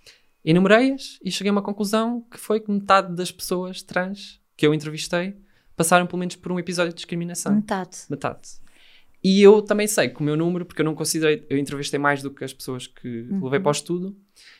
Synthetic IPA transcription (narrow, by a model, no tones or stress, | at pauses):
inumɨɾɐjɐʃiʃɨɣɐjumɐkõklˠuzɐ̃w̃kɨ̥fojkɨmɨt̪aððɐʃpsoɐʃt̪ɾɐ̃ʃ | kewẽnt̪ɾɨviʃt̪ɐj | pɐsaɾɐ̃w̃pɨlˠumenuʃpɔɾũipizɔðjud̪ːiʃkɾiminɐsɐ̃w̃mt̪aðmɨt̪a̰ð | iewt̪ɐ̃mbɐ̃j̃sɐjkumewnumɾupuɾkewnɐ̃w̃kõsiðɐjewẽnt̪ɾɨviʃt̪ɐjmajʒðukɐʃpsoɐʃkʰɨlˠɨvɐjpɔʃt̪uðu